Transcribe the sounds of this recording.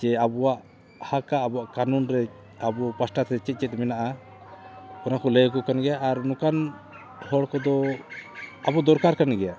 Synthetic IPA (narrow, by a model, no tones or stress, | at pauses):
t͡ʃɛabɔwaʔ | hakaːbɔwaʔkanunɾɛ | abɔpasʈat̪ɛt͡ʃɛt̪̚t͡ʃɛt̪̚mɛnaʔa | ɔnakɔləjkɔkanɡɛjaʔːɾnukan | hɔɽkɔd̪ɔ | abɔd̪ɔɾkaɾkanɡɛja